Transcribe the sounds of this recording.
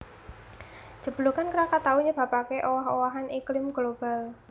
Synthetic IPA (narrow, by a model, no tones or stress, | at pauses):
ʒ̥əb̥ə̤lukankəɾakat̪awuɲəb̥ä̤pakeʔowaɦowaɦaniklɪmɡ̥lob̥a̤l